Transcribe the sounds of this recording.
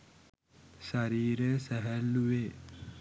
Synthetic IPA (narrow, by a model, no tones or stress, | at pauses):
saɾiːɾəsæɦælːuʋe